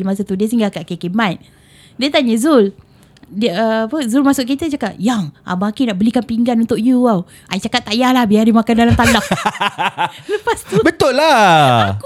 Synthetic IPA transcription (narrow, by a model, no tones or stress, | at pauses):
mas̬at̪udiəs̬iŋɡakaʔkekemaj̪̚ | diət̪aɲəzul | diəəːpəzulmasʊʔ̚kit̪ət͡ʃakat̪̚jaŋa̰bakinaʔbəlikanpiŋɡanunt̪oʔ̚juaw | ʔa̰it͡ʃakat̪ːajahlahbiardimakandalamt̪anaf | ləpast̪ubət̪ʊʔlak